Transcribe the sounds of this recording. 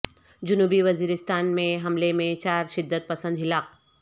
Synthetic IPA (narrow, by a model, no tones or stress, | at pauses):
d͡ʒʊnuːbiʋɐziːɾɪst̪aːnmẽɦɐmlemẽt͡ʃaːɾʃɪd̪ːət̪̚pɐsə̃nd̪ɦɪlaːk̚